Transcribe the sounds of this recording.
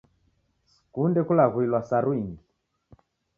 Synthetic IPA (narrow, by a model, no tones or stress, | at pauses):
s | kundɛkulaɣuilwasaɾwiŋɡi